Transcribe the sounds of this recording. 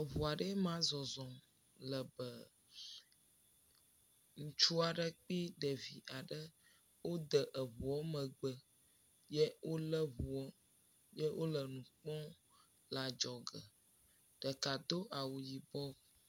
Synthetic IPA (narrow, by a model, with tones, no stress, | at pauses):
ə˨βu˨a˨ɖə˦mã˦zɔ˨zɔ̃˨m | lə˨bə˨ | ŋũ˨t͡ʃu˦a˨ɖə˦k͡pi˦ɖə˨vi˨ʔa˨ɖə˦ | wo˦d̪ə˨ʔə˨βu˨ɔ˦mə̃˨ɡ͡bə˨ | je˦wo˦lə˦βu˨ɔ˦ | je˦wʔo˦lə˨nũ˨k͡pɔ̃˦ | la˨d͡ʒɔ˨ɡə˨ | ɖ̥ə˨ka˨d̪o˦ʔa˨wu˨ji˨bɔ˦